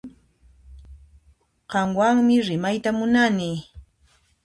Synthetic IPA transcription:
ɢɑmwaŋmɪɾɪmajt̪amʊnaniː

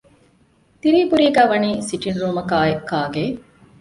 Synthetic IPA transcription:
t̪iɾiːbuɾiːɡæːʋɐniːsiʈinɾuːmɐkaːekːaːɡeː

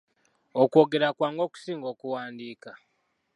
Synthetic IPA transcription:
okwo̞ːɡe̞ɾakwaːŋɡo̞ku̥siːŋɡo̞ːkuwaːndiːka

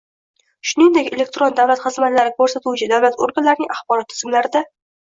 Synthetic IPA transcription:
ʃʊnɪŋd̪ekʲe̞le̞k̚ʲt̪ɾond̪awlat̪χɨzmat̪laɾɪkʰɵɾsat̪uwt͡ʃʰɪd̪awlat̪oɾɡanlːaɾɪnɪŋʲʔaχbɒɾɒt̪ʰːɪ̥zɪmlaɾɪd̪a

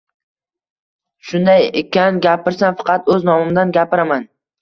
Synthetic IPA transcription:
ʃʊnd̪ajekʲanɡʲapɪɾsanfɑ̥qʰɑt̪ɵznɒmɪmd̪anɡʲapɪɾaman

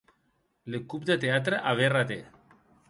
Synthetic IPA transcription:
lekupd̪et̪eat̪ɾeʔaβerat̪e

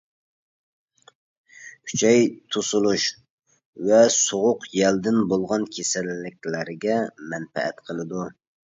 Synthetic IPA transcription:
kʲʰy̥t͡ʃʰɛjt̪ʰusulˠuʃ | vɛsoʁʊqjɛld̪ɪnbolˠʁɑnkʲʰesɛlːɪk̚ʲlɪɾɪɡʲɛmɛnfɛ̰ɛ̰t̪qʰəlˠɨd̪u

